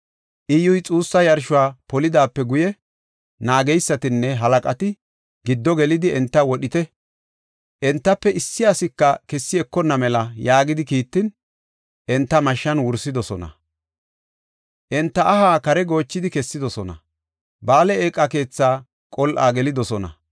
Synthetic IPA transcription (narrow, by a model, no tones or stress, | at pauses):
ʔɪjʊjt͡sʼuːsːɐjɐɾʃʊwaːpɔlɪd̪aːpːɛɡʊjɛ | naːɡɛjsːɐt̪ɪnːɛɦɐlɐkʼɐt̪ɪ | ɡɪd̪ːɔɡɛlɪd̪ɪɛnt̪ːɐwɔɗɪt̪ɛ | ʔɛnt̪ːɐpːɛɪsːɪasɪkːɐkɛsːɪɛkːɔnːɐmɛlɐjaːɡɪd̪ɪkiːt̪ːɪn | ʔɛnt̪ːɐmɐʃːɐnwʊɾsɪd̪ɔsɔnɐ̰ | ʔɛnt̪ːɐʔːhaːkɐɾɛɡo̞ːt͡ʃːɪd̪ɪkɛsːɪd̪ɔsɔnɐ̰ | baːlɛeːkʼːɐke̞ːt͡sːaː | kʼɔlʔa̰ːɡɛlɪd̪ɔsɔnɐ̰